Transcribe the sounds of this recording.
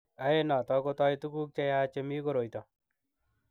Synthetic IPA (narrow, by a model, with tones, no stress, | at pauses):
a˨e˦na˨tɔ˧ko˧tɔ˦itu˦ku˦k̚t͡ʃa˧ja˦t͡ʃe˧mi˦ko˦ɾo˨jtɔ˨